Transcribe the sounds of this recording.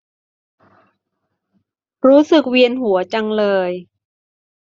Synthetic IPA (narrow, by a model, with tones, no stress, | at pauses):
ɾuː˦˥sɯ˨˩k̚wi˧ənɦu˩˦ɐt͡ɕa˧ŋlɤː˧j